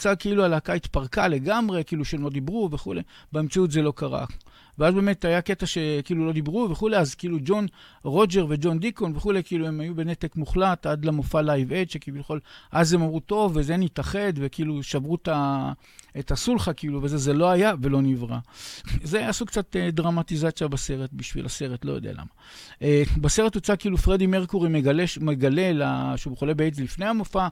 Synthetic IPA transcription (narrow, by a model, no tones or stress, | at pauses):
t͡sakiilualakait̪paʁkale̞ɡamʁe̞kiiːluʃeemlo̞dibʁuve̞χule̞ | beemt͡saut̬ze̞lo̞kaʁa̰ | veazbe̞me̞tajake̞taʃe̞kiiːlulo̞d̪ibʁuveχuleazkiilud͡ʒo̞nʁo̞d͡ʒe̞ʁve̞d͡ʒo̞nd̪iko̞nveχule̞jkiiːlue̞majube̞netekmuχlatad̪lamofalajveʃekivileχo̞lʔazemamʁuto̞vːezenit̪aχe̞d̪ve̞kiiluʃavʁuta | et̪asulχakiiluvezezelo̞ajave̞lo̞nivʁa̰ze̞asukt͡sat̪ed̪ʁamatizat͡sjabase̞ʁet̪̚biʃvḭlase̞ʁetlo̞jod̪ḛa̰la̰ma | ʔebase̞ʁet̪ut͡sakiːlufʁe̞d̪imeʁkuʁimeɡaleʃmeɡale̞laʃeubeχolebeezlifne̞jhamofa